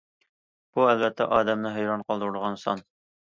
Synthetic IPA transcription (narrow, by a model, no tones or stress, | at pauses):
b̥uælvɛt̪ːɛ̰ʔɑːd̪ɛmnɨɦɵjɾɑɴqʰɑlˠd̪ɤɾulʁɑnsɑ̰n